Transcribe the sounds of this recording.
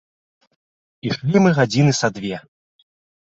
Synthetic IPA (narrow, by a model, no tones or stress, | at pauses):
iʂlʲimɨɣad͡zʲinɨsad̪vʲɛ